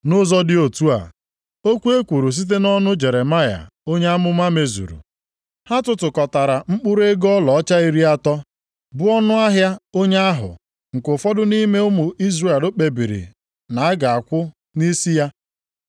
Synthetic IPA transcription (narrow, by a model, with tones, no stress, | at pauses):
nʊ˦zɔ˦dɪ˦o˨tu˦a̰˨ | o˦kʷu˦e˦kʷu˨ɾu˨s̬i˦t̬e˦nɔ˦nʊ˦d͡ʒe˨ɾe˨ma˦ja̰˨o˦ɲe˦a˦mʊ˦ma˦me˨zṵ˨ɾṵ˨ | ha˦tʊ˨tʊ˨kɔ˨ta˨ɾa˨ŋ͡m̩˦k͡pʊ˦ɾe˦ɡɔ˦lɔ˨ɔ˦t͡ʃa˦i˦ɾi˦a˦tɔ˦ | bʊ˦ɔ˦nʊ˦a˦ɦja˦o˦ɲe˦a˦ɦʊ̰˨ | ŋ̩˨kʊ˨fɔ˦dʊ˦ni˦me˦ʊ˦mʊ˨i˦zre˦˨lo˦k͡pe˨bi˨ɾḭ˨ | na˨a˦ɡa˨a˨kʷʊ˦ | ni˦si˦ja˦